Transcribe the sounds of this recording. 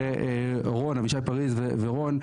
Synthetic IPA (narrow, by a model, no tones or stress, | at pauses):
eʔe | ʁonaviʃajpaʁizveveʁon